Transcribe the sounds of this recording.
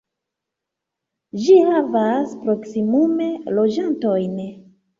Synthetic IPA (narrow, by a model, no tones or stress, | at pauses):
d͡ʒihavaspɾo̞ksimume̞lo̞d͡ʒanto̞jn